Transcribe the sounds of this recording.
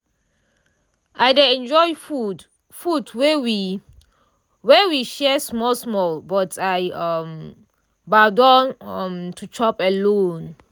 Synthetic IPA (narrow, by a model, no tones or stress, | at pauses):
ʔajdeɛ̃nd͡ʒɔjfu | fudwɛwi | wɛwiʃɛsmɔlsmɔlbɔtʰajʌm | badɔ̃nʌmtʰut͡ʃɔpɛlõn